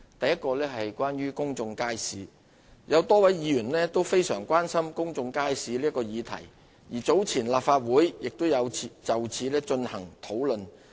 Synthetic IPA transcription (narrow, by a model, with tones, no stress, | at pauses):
t̪ɐ˨jːɐ˥t̚kɔː˧lɛː˥ɦɐ˨jkwaː˥nɥyː˥kʊ˥ŋt͡sʊ˧ŋkaː˥jsiː˨˥ | jʔɐ˨˧wt̪ɔː˥wɐ˨˥jjiː˨˧jyː˨˩nlɛː˥t̪o˥wfe˥jsœ̰ː˨˩ŋkʷwaː˥nsɐ˥mkʊ˥ŋt͡sʊ˧ŋkaː˥jsiː˨˥li˥kɔː˧jiː˨˧t̪ʰɐ̰˨˩j | jiː˨˩t͡so˨˥wt͡sʰiː˨˩nlaː˨p̚faː˧t̚wuː˨˥jjɪ˨k̚t̪ʊ˥wjɐ˨˧wʰi˨t͡sɐ˨wt͡sʰiː˨˧lɛː˥t͡ʃɵ˧nhɐ̰˨˩ŋt̪ʰo˨˥wlɵ˨n